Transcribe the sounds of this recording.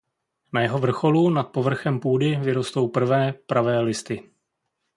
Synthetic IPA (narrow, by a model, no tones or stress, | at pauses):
najɛɦo̞vr̩xo̞lunat̪̚po̞vr̩xɛmpuːdɪvɪɾo̞st̪o̞wpr̩vɛːpɾʔavɛːlɪst̪ɪ